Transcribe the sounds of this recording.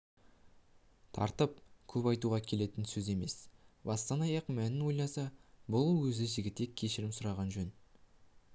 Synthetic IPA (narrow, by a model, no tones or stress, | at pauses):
t̪ʰɑ̰ɾt̪əp̚kʲʰɵpɑjt̪uʁɑkʲʰe̞le̞t̪ɪnsɵze̞me̞̰sbɑst̪ɑnɑjɑqmænɪnwo̞jlˠɑsɑbʊlˠwɵzɪʒɪɡʲɪt̪ːekʲʰːe̞ʃɪɾɪmsʊɾɑʁɑnʒɵn